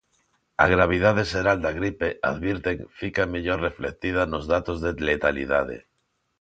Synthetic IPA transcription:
a̰ɣ̞ɾaβ̞ið̞aðeseɾald̪aɣɾipeʔa̰ðβjiɾt̪eŋfikameʎoɾreflek̚t̪ið̞anozðat̪ozðelet̪alḭðað̞ḛ

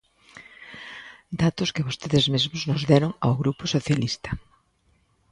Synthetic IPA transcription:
d̪at̪ʊskɪβost̪eðɪzmezmʊznʊzðɛɾʊŋa̰wɣɾupʊsoθjalist̪ɐ̥

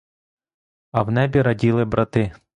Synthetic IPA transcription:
ɐwnɛbʲiɾɐdʲilˠɪbɾɐt̪ɪ

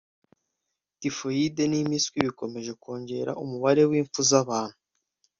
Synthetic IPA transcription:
tifo̞jidenimiskwiβiko̞me̞ʒe̞ko̞ːɲɟe̞ɾa̰ʔumuβaɾe̞wiːɱfuzaβaːn̥huu

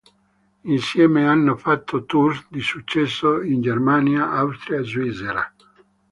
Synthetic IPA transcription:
insjɛːmeanːofat̪ʰːot̪ursd̪isut͡ʃːɛsːoind͡ʒermaːnjaʔawst̪ɾiaezwiseɾa̰

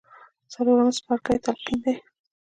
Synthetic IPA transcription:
t͡saloɾanaspaɾkajt̪alqind̪e

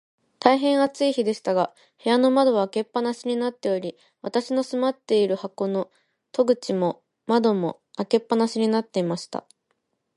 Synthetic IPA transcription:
t̪aiɦẽ̞ɰ̃at͡sɨiçid̪e̞ɕi̥t̪aɡa | he̞jano̞mad̪o̞βaːke̞pːanaɕiɲ̟inat̪ːe̞o̞ɾʲi | βat̪aɕino̞sɨmat̪ːe̞iɾɯ̟hako̞no̞ | t̪o̞ɡɯ̟t͡ɕimo̞ | mad̪o̞mo̞̰ | ake̞pːanaɕiɲ̟inat̪ːe̞imaɕi̥t̪a̰

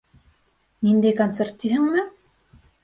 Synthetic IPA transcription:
nind̪ekant̪sert̪ʲːiɦɘ̆ŋmɘ

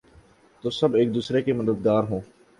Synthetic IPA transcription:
t̪oːsɐbeːk̚d̪uːsɾekeməd̪əd̪ɡaːɾɦõː

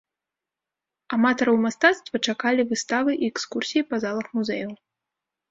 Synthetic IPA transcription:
amat̪ɐɾɐwmast̪at̪st̪vɐt͡ʂakalʲivɨst̪avɨʔiɛkskursʲijipɐzalˠɐxmuzɛjɐw

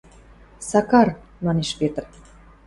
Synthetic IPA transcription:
sɑkɑrmɑneʃpet̪ər

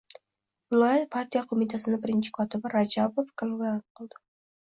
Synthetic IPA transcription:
vɪlˠɒjat̪̚pʰaɾt̪ʰijaqʰomɪt̪ʰasɪnɪbɪɾɪnt͡ʃʰɪ̥kʰɒt̪ʰɪbɪɾad͡ʒabofkʰɪlɡlanɪp̚qʰɨlˠd̪ɪ̥

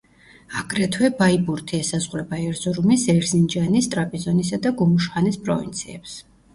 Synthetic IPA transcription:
aɡɾɛt̪ʰwɛbaibuɾt̪ʰiɛsazʁɾɛbaɛɾzɔɾumisɛɾzind͡ʒanist̪ʼɾapʼizɔnisad̪aɡumuʃχanispʼɾɔ̰vḭnt̪sʰiɛps

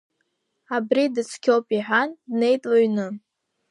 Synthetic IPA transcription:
abridɨt͡sʷʰkʲʰowpʼiħʷᶣandne̞jtʼlaɥnɨ

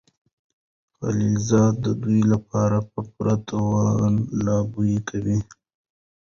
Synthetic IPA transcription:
xa̰lilzɑːd̪̚d̪əd̪ujlapɑɾapəpɾat̪ʰawɑnlɑbujikʰawi

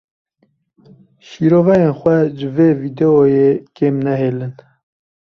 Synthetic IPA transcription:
ʃiːɾoːvɛjeːnxʷɛʒɨveːviːd̪ɛojeːkeːmnɛɦeːlɨn

